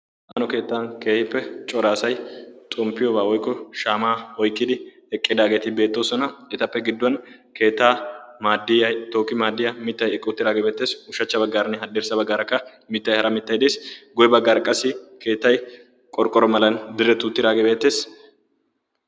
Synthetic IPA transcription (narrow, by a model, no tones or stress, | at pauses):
ʔanɔke̞ːt̪ːaːnke̞ːhɪpːɛt͡ʃʼɔɾaːsɐjt̪ʼɔmpːɪjoːbaːwɔjkːɔʃaːmaːɔjkʼːɪd̪ɪ | ɛkʼːɪd̪aːɡet̪ɪbe̞ːt̪ːoːsɔnɐɛt̪ɐpːɛɡɪd̪ːʊɐn | ke̞ːt̪ːaːmaːd̪ɪjɐjt̪oːkːɪmaːd̪ːɪjɐmɪt̪ːɐjɛkʼːɪʊt̪ːɪd̪aːɡebe̞ːt̪ːe̞ːsʊʃɐt͡ʃːɐbɐɡːaːɾɐnɪɦɐᶑ̪ɛɾsɐbɐɡːaːɾɐkːɐ | mɪt̪ːɐjhɐɾɐmɪt̪ːɐjd̪eːsɡʊjɛbɐɡːaːɾɐkʼːɐsɪkʰe̞ːt̪ːɐj | kʼɔɾkʼːɔɾɔmɐlɐnd̪ɪɾːɛt̪ʊt̪ːɪɾaːɡebe̞ːt̪ːe̞ːs